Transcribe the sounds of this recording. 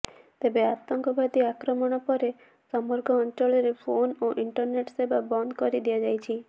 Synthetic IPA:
t̪ebeat̪ɔŋkɔbʱad̪iakɾɔmɔɽ̃ɔpɔɾe | sɔmpɔɾɡɔːnt͡ʃɔɭɔɾepʰonoʔiɳʈɔɾneʈsebabɔnd̪kɔɾid̪iad͡ʒajt͡ʃʰi

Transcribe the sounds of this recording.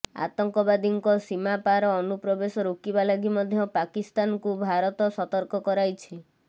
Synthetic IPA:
a̰t̪ɔŋkɔbad̪iŋkɔsimapaɾɔːnupɾɔbesɔɾukibalaɡimɔd̪ʱjɔpakist̪ankubʱaɾɔt̪ɔsɔt̪ɔɾkɔkɔɾajt͡ʃʰi

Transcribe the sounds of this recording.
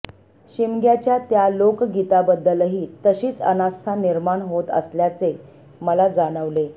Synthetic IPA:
ɕimɡjat͡ɕjat̪jalokɡit̪abəd̪ːəlɦiːt̪əɕiːt͡sə̰nast̪ʰaniɾmaɳɦot̪ə̰sljat͡se | məlad͡zaɽ̃əʋle

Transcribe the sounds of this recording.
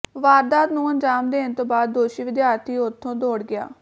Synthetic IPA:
ʋaːɾd̪aːd̪nũːənd͡ʒaːmd̪eːɪnt̪əbaːd̪̚ːoːʃiːʋɪd̪ɪjaːɾt̪ʰiːʊt̪ʰːõːd̪oːɽɡɪja̰ː

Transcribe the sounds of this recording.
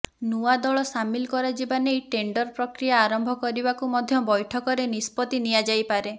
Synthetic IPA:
nuad̪ɔɭɔsamilkɔɾad͡ʒibanejʈeɳɖɔɾpɾɔkɾijaːɾɔmbʱɔkɔɾibakumɔd̪ʱjɔbɔjʈʰɔkɔɾenispɔt̪iniad͡ʒajpaɾe

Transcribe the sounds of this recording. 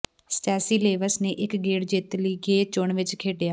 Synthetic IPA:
sʈɛːsiːleːʋəsneːʔɪkɡeːɽd͡ʒɪt̪liːɡeːt͡ʃʊɳʋɪt͡ʃkʰeːɖejaː

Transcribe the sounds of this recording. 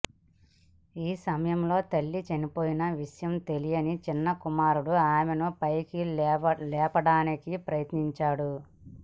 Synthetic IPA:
iːsɐmɐjɐmlo̞ːt̪ɐlːit͡ʃɐnipo̞ːjinɐʋiʂjɐmt̪elijɐnit͡ʃinːɐkumaːɾuɽuaːmenupɐjkilɛːpɐɽaːnikipɾɐjɐt̪niɲt͡ʃaːɽu

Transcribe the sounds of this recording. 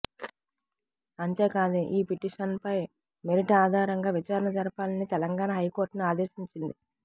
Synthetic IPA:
ɐnt̪e̞ːkaːd̪eʔiːpiʈiːʂɐnpɐj | meɾiʈɐaːd̪ʱaːɾɐŋɡaːʋit͡ʃaːɾɐnɐd͡ʒɐɾɐpaːlɐnit̪ɛlɐŋɡaːnɐɦɐjko̞ːɾʈniaːd̪eːɾʃiɲt͡ʃind̪i

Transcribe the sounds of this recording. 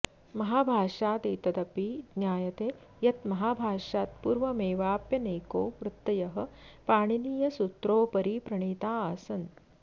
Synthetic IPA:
mɐɦaːbʱaːʂaːt̪eːt̪ɐd̪ɐpid̪njaːjɐt̪eː | jɐt̪mɐɦaːbʱaːʂaːt̪̚puːɾʋɐmeːʋaːpjɐneːkoːʋɾut̪ːɐjɐɦɐpaːɳ̃iniːjɐsut̪ɾoːpɐɾiːpɾɐɳ̃iːt̪aːaːsɐn

